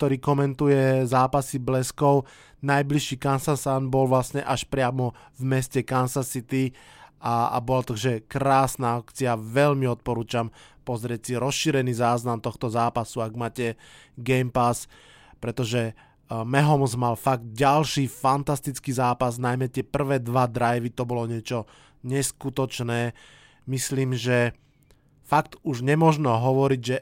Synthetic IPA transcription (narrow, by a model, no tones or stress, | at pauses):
k̚t̪ɔɾiːkɔmɛnt̪ujɛzaːpasiblɛskɔʊ | najbliʃiːkansasanbɔlʋlasɲɛʔaʃpɾɪamɔ | vmɛscɛkansasit̪iaa̰bɔlat̪aɡʒɛkɾaːsnaːakt͡siaʋɛʎmiɔt̪̚pɔɾuːt͡ʃampɔzɾɪɛc̚siɾɔsʃiːɾɛniːzaːznamt̪ɔxt̪ɔzaːpasuaɡmaːcɛɡɛjmpas | pɾɛt̪ɔʒɛ | mɛɦɔmzmalfaɡ̚d̪̚ɟalʃiːfant̪ast̪it͡skiːzaːpaznajmɛt̪ɪɛpr̩ʋɛːd̪ʋad̪ɾajʋit̪ɔbɔlɔɲɪɛt͡ʃɔ | ɲɛskut̪ɔt͡ʃnɛː | misliːmʒɛ | fak̚t̪uʒɲɛmɔʒnɔɦɔʋɔɾiɟʒɛ